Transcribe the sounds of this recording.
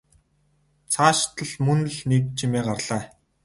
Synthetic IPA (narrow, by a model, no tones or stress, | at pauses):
t͡sʰaːʃt̪ə̆ɮmɵn̆ɮnek̚t͡ɕʰimeːɢarɮ̥æː